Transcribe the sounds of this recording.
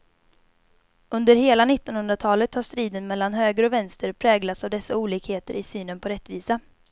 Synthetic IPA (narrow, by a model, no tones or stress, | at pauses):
ɵnd̪əɾɦeːlanɪt̪ːɔnhɵnd̪ɾat̪ʰɑːlət̪haʂt̪ɾiːd̪ənmɛlːanɦøːɡɾɔvɛnst̪əɾpʰɾɛːɡlat̪savd̪ɛsːauːliːkheːt̪əɾɪsyːnənpʰɔɾɛt̪ːviːsa